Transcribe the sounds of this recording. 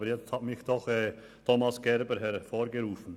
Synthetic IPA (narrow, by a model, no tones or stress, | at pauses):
ɾɛɑmɪkt̪ɔxɛ | t̪ʰɔmɑsɡɛɾbəɾɦɛɾfɔɾɡɛɾuːfn